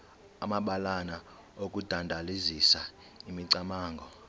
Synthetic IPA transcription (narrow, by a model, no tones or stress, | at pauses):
amaɓalana | okʼud̥ʱandʱalizisa | imiǀamaːŋɡʱɔ